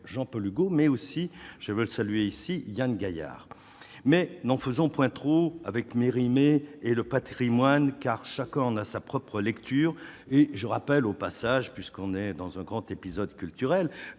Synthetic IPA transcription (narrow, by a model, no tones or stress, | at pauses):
ʒɑ̃pɔlyɡomɛosiʒ̥əvøləsalyeisijanɡaja̰ːʁ | mɛnɑ̃fəzɔ̃pwɛ̃t̪χoa̰vɛkmeʁimeːləpat̪χimwankaʁʃakɛ̃ɑ̃nasapχɔpχəlɛkt̪ʰyːʁ | eʒəʁapɛlopasaʒpɥiskɔ̃nɛd̪ɑ̃zɛ̃ɡʁɑ̃t̪epizɔd̪kʲylt̪yʁɛl